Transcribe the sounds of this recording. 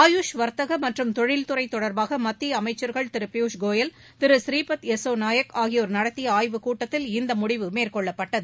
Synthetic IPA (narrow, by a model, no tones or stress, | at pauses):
aːjuʂʋɐɾt̪ɐɣɐmɐʈrɯmt̪ɔɻɪlt̪ʊɾɐɪt̪ːɔɽɐɾbaːɣɐmɐt̪ːiɐmɐɪt͡ʃːɐɾɣɐɭt̪ɪɾɯpɪjuːʂɡoːjɐl | t̪ɪɾɯsɾiːpɐt̪ɛsːoːnaːjɐkaːɣɪjɔɾɯnɐɽɐt̪ːɪjɐaːjʋɯkuːʈːɐt̪ːɪlɪnd̪ɐmʊɽɪʋɯmeːrkɔɭːɐpːɐʈːɐðɯ